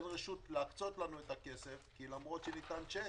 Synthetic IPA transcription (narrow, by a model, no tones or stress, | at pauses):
nʁeʃut̪leakt͡so̞t̪lanuet̪ake̞se̞fkilamʁo̞t̪ʃenitant͡ʃe